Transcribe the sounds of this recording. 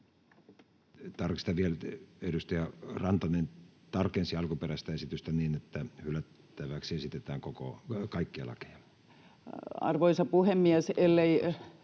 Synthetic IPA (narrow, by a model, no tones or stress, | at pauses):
t̪ɑrkist̪ɑʋieledust̪ɑjɑrɑnt̪ɑnent̪ɑrkensiɑlkuperæst̪æesit̪yst̪æniːnet̪ːæhylæt̪ːæʋæksiesit̪et̪æːŋkoko̰kɑikːiɑ̰lɑ̰ke̥jɑ | ɑ̰rʋoisɑpuhemːiæselːei